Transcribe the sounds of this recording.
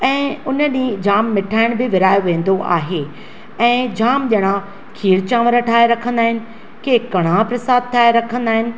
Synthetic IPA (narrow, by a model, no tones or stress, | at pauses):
ɛ̃ːʊnəɗĩːd͡ʑaːmːɪʈʰaːɪɽ̃bɪʋɪɾaːjoʋẽːn̆d̪oʔa̰ːɦeː | ɛ̃ːd͡ʑaːmʄɐɽ̃ã | kʰiːɾt͡ɕãːʋəɾəʈʰaːeɾɐkʰə̃nd̪aːɦɪnɪ̆ | keːkɐɽ̤̃ãpɾɐsaːd̪̚t̪ʰaːeɾɐkʰə̃n̆d̪aːɦɪnɪ̆